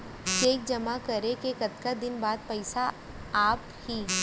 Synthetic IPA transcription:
keːk̚d͡ʒɐmakɐɾekekɐt̪kad̪ɪnbaːd̪̚pɛɪsa | aːp | hiː

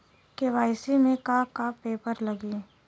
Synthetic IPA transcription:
keʋaːɪsimẽkaːkapeːpəɾləɡiː

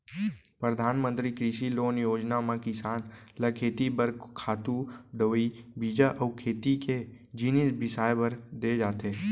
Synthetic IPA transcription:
pɾəd̪ʱaːnmə̃nt̪ɾikɾɪʃiloːnjoːd͡ʒnamãkɪsaːn | ləkʰeːt̪ibəɾkʰaːt̪ud̪əʋibiːd͡ʒaʔəʊkʰeːt̪ike | d͡ʒinisbɪsaːjbəɾd̪ed͡ʒaːt̪eː

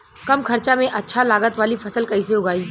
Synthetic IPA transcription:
kɐmkʰɐɾt͡ʃamẽʔɐtːʃʰalaːɡət̪ʋaːlifʰɐsəlkɐĩseʊɡaːiː

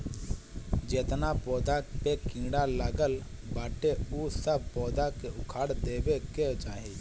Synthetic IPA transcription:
d͡ʒeːt̪napɔːd̪apekĩːɽaləɡəl | baːʈeusəb̚pɔːd̪akeʊkʰaːɽd̪eːbeket͡ʃaːɦe

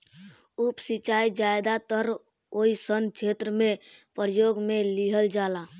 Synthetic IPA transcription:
upsit͡ʃaid͡ʒajd̪at̪əɾ | oisənt͡ʃʰet̪ɾəmepəɾəjoɡmeliɦəld͡ʒala

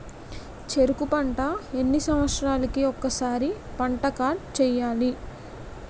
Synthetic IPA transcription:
t͡ʃe̞ɾukupɐɳʈɐe̞nːisɐmʋɐt̪sɾaːlɐkiɔkːɐsaːɾipɐɳʈɐkaːɾʈ̚t͡ʃɛːjaːli

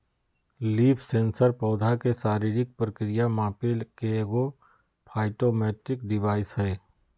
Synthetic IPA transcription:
liːpʰsẽːnsəɾpɔːd̪ʱakesaːɾiːɾɪk̚pɾəkɾɪjamãːpelkeɡo | pʰaːɪʈomɛːʈɾɪk̚ɖɪʋaːɪsɦɛː

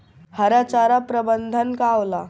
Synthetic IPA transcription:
həɾat͡ɕaɾapɾəbənd̪ʱənkawla

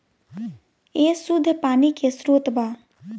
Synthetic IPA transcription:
eːsʊd̪ʱːpaːnikesɾoːt̪baː

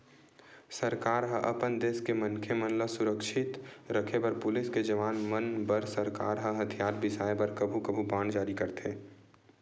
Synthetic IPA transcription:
səɾkaːɾɦəʔəpənd̪eːskemənkʰemənləsʊɾəkʃɪt̪ɾəkʰebɐɾpʊlɪsked͡ʒəʋaːnmənbəɾsəɾka̰ːɾɦəɦɐt̪ʰijaːɾbɪsaːebɐɾkəbʱukəbʱubãːɳd͡ʒaːɾikəɾt̪eː

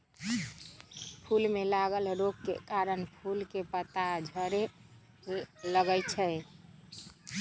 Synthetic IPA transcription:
pʰulmelaɡəlɾoɡkḛkaɾənpʰulkepət̪ad͡ʒʱəɾe | ləɡət͡ʃʰəj

